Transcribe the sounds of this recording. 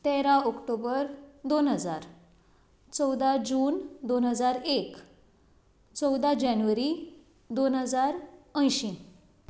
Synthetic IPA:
t̪eɾãɔkʈobəɾd̪onɦəd͡zaɾ | t͡səwd̪ad͡ʑuːnd̪onɦəd͡zaɾek | t͡səwd̪ad͡ʑanʋəɾi | d̪onɦəd͡zaɾə̃jɕĩ

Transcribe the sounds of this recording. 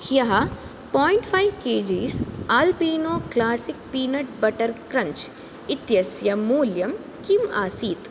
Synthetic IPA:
hjɐɦɐ | pɔːiɳʈfʰajʋkeːd͡ʒisaːlpiːnoːklaːsik̚piːnɐʈ̚bɐʈɐɾkɾɐɲt͡ʃ | it̪jɐsjɐmuːljɐm | kimaːsiːt̪

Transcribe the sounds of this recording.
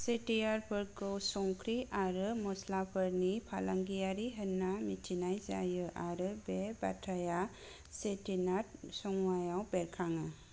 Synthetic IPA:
setijaɾpʰɯɾkɯwsɔŋkʰɾiʔaɾɯmɔslapʰɯɾnipʰalaŋɡijaɾiɦənːamitʰinajza̰jɯʔaɾɯbeba̰tʰaja | setinat̚sɔŋwajawbeɾkʰaŋɯ

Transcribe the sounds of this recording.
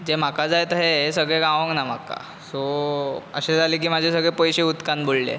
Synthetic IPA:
d͡zem̤akad͡zajt̪əɦeɦesəɡɭeɡãʋə̃ŋɡnam̤akːa̰ | so | ə̰ɕed͡zʱaliːk̬iːmad͡ʑʱes̬əɡɭẽpəjɕeut̪kanbollḛ

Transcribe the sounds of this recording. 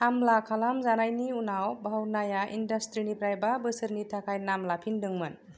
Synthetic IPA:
hamlakʰalamzanajniunawbʱawnajaʔḭndastɾinipʰɾajbabɯsɯɾnitʰakʰajnamlapʰindɯŋmɯn

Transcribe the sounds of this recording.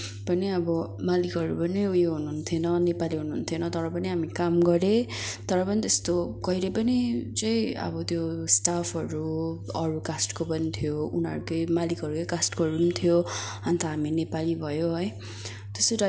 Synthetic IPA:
pʌniʌbʌmalikʌɾṵpʌnijoɦunuɦːnt̪ʰionʌnepaliɦunuːunt̪ʰjonʌt̪ʌɾʌpʌniɦamikamɡʌɾe | t̪ʌɾʌpʌnit̪est̪okʌiɾepʌnit͡sʌj̃ʌ̰bʌt̪josʈapʰʌɾuʌɾukasʈkopʌnit̪ʰjounɦʌ̰ɾukʌjmalikɦʌɾukʌjkasʈkoɦʌɾunit̪ʰijo | ʌnt̪ʰʌɦaminepalibʱʌjoɦʌj | t̪esoʈa

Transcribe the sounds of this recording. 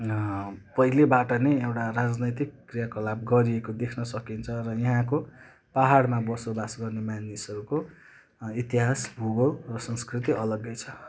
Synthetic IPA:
pʌɦilebaʈʌneewʈarad͡znʌjt̪ikːrijakolab̚ɡʌɾiekod̪ekʰnʌsʌkint͡sʰʌrʌjiɦãko | paɦaɽmabʌsobasɡʌrnemanisʌɾuko | it̪iɦasbʱuɡʌlrʌsʌ̃nskrit̪iʔʌlʌɡːʌjt͡sʰʌ

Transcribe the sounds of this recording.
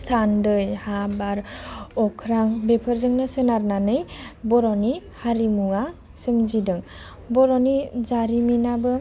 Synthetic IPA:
sʰandɯjhabaɾɔkʰɾaŋbepʰəɾzɯŋnɯsɯnaɾnanɯjbɔɾɔnihaɾimua | sɯmzidɯŋ | bɔɾɔnizaɾiminabɯ

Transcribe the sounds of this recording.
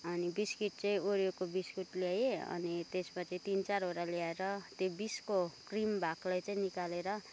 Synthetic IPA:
ʌnibiskiʈ̚t͡sʌĩoɾjokobiskuʈljajeʌ̰nit̪esmat͡sʌĩt̪int͡saɾɦoɾaljaeɾʌt̪jobiskokrimbʱaklajt͡saĩnikaleɾʌ

